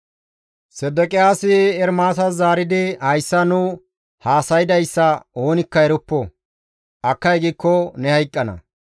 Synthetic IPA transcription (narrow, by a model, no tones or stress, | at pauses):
sɛd̪ɛkʼɪjaːsɪɛɾmaːsɐzaːɾɪd̪ɪhɐjsːɐnʊ | haːsɐjɪd̪ɐjsːɐoːnɪkːɐɛɾʊpːɔ | ʔɐkːɐjɡikːɔnɛhɐjkʼːɐnɐ̰